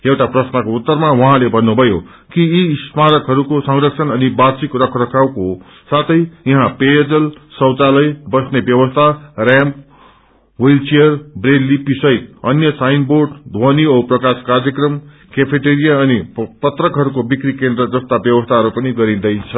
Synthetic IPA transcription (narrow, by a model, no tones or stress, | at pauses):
ewʈaprʌsnʌkout̪ːʌrmawʌɦãlebʱʌnːubʱʌjo | kiːsmaɾʌkɦʌɾukosʌŋrʌksʰʌnʌnibasikrʌkʰrʌkʰawko | sat̪ʰʌjjʌɦãpejʌd͡zʌlsʌwt͡salʌjbʌsnebjʌwʌst̪ʰarãmp | wejlt͡sijʌrbrelːipisʌjt̪ʌnjʌsajnborɖd̪ʱwoniʌprʌkaskarjʌkrʌm | kepʰeʈeɾijaʌnipʌt̪rʌkɦʌɾukobikrikend̪rʌd͡zʌst̪abjʌwʌst̪ʰaɦʌɾupʌniɡʌɾĩd̪ʌjt͡sʰʌ